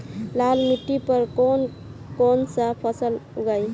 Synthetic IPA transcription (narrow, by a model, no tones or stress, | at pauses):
lalmiʈːipəɾkon | konsəpʰəsəluɡəj